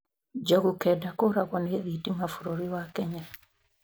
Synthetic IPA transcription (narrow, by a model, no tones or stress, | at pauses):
d͡ʒɔɡukɛdakoɾakwɔneðitimafuɾoɾiwakɛɲa